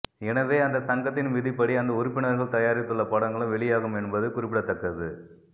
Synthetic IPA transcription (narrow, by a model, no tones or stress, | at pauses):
ɛnɐʋeːɐnd̪ɐsɐŋɡɐt̪ːɪnʋɪðɪpːɐɽiɐnd̪ɐʊɾɪpːɪɳɐɾɣɐɭt̪ɐjaːɾɪt̪ːɯɭːɐpɐɽɐŋɡɐɭɯ̃ʋɛɭɪjaːɣɯmɛnbɐðɯkʊrɪpːɪɽɐt̪ːɐkːɐðɯ